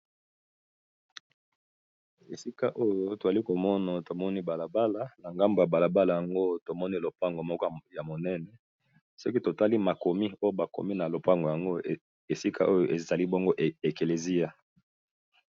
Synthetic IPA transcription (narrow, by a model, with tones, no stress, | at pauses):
e˨si˦ka˦ʔo˦jo˦to˨za˨li˦ko˨mɔ˦na˨to˨mɔ˦ni˦ba˨la˨ba˦la˨na˨ŋɡa˦mbo˨ja˨ba˨la˨ba˦la˨ja˨ŋɡo˦to˨mɔ˦ni˦lo˨pa˦ŋɡo˨mɔ˦kɔ˦ja˨mo˨nɛ˦nɛ˨ | sɔ˦ki˦to˨ta˦li˦ma˨ko˨mi˦o˦jo˦ba˨ko̰˨mi˦na˨lo˨pa˦ŋɡo˨ja˨ŋɡo˦ | e˨si˦kʰa̰˦ʔo˦jo˦˨ʔe˨za˨li˦bo˦ŋɡo˦ʔe˨ke˨le˨zi˦a˦